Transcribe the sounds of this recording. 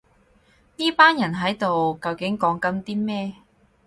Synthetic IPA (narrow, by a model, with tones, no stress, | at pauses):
niː˥paː˥njɐ˨˩nɦɐ˨˥jt̪o˨wkɐ˨˧wkɪ˨˥ŋkɔː˨˥ŋkɐ˨˧˥mt̪iː˥mɛː˥